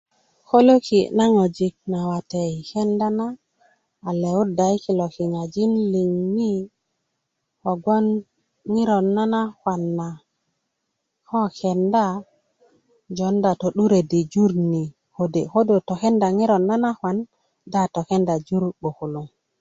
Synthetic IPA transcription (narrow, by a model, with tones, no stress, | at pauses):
ko˦lo˦ki˨na˦ŋo˨d͡ʒi˨k̚na˨wa˨te˨jke˦nda˦naː˦˨ | le˨u˦da˨jki˨lo˨ki˨ŋa˨d͡ʒi˦nli˨ŋni˦ | ho˨ɡo˦n | ŋi˦ɾo˨nːa˦na˦xwa˨nːa˨ | ko˦ke˨nda˦ | d͡ʒo˨˦nda˨to˨ɗu˦ɾe˨di˨d͡ʒu˦ɾni˨ | ho˨de˨ko˦do˨to˨ke˦nda˨ŋi˦ɾo˨nːa˦na˦xwa˨n | da˦to˨ke˦nda˨d͡ʒu˦ɾɓo˨ku˨lu˨ŋ